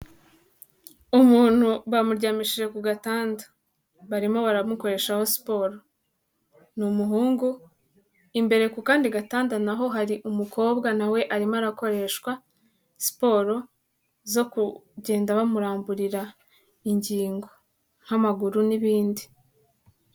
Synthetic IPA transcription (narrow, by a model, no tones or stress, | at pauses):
umuːn̥huβamuɾɟaːmiʃiʒe̞kuɡataːndḁ | βaɾimo̞βaɾamuko̞ɾe̞ʃaho̞si̥po̞ɾo | numuɦuːŋɡu | imbe̞ɾe̞kukaːndiɡataːndanaɦo̞ɦaɾiʔumuko̞ːbɡanawe̞ʔaɾimaɾako̞ɾe̞ʃkwa | si̥po̞ːɾo̞ | zo̞kuɟe̞ːndaβamuɾaːmbuɾiɾa | iɲɟiːŋɡo̞ | ŋ̥hamaɡuɾuniβiːndi